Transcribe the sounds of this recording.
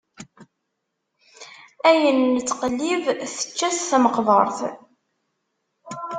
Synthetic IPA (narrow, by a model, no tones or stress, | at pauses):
æjənːət͡sːqəlːivθə̥t͡ʃːæθθæməqvəɾˤθ